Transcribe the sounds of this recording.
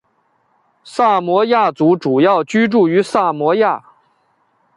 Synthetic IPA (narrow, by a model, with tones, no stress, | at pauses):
sa˥˩mwɔ˧˥ja˥˩t͡su˧˥ʈ͡ʂu˨˩jɑ˥˩ʊt͡ɕy˥ʈ͡ʂu˥˩y˧˥sa˥˩mwɔ˧˥ja˥˩